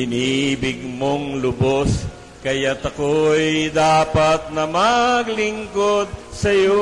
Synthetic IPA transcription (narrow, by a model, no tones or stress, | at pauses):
ɪnibɪɡ̚moŋlʊbos | kɐjat̪ɐkojd̪aːpat̪̚nɐmaɡlɪŋkod̪̚sɐjo